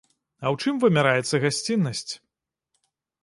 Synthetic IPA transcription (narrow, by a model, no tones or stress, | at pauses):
ɐwt͡ʂɨmvɨmʲaɾajɛt̪sːɐɣasʲt͡sʲinːɐsʲt͡sʲ